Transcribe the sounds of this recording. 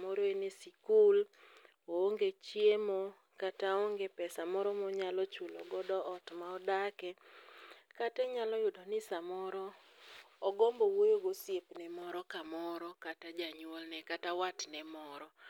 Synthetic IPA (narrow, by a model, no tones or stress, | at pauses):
mɔɾoenesikul | ooŋɡet͡ʃjemo | kataoŋɡepɛsamɔɾɔmɔɲalɔt͡ʃulɔ̰ɡɔdɔɔtmaɔdakɛ | katɛɲalɔjʊdɔnɪsamɔɾɔ | ɔɡɔmbɔwojoɡosjepnɛmɔɾɔkamɔɾɔkatad͡ʒaɲwolnɛkatawatnɛmɔɾɔ